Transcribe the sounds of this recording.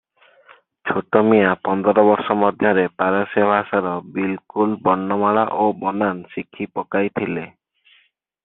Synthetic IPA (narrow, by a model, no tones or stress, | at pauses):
t͡ʃʰoʈɔmijapɔnd̪ɔɾɔbɔɾsɔmɔd̪ʱjɔɾepaɾɔsebʱasaɾɔbilkulbɔnːɔmaɭaʔobɔnansikʰipɔkajt̪ʰile